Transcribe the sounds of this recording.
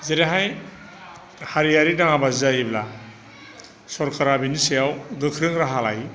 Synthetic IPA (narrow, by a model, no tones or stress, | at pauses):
zeɾeɦaj | haɾijaɾidaŋabazajibla | sɔɾkʰaɾabinisejawɡɯkʰɾɯŋɾaɦala̰j